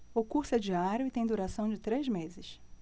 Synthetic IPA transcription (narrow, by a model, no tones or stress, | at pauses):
ʊkuɾsʊɛd͡ʒiaɾʊɪt̪ẽj̃d̪uɾasɐ̃w̃d͡ʒɪt̪ɾezmezɪʃ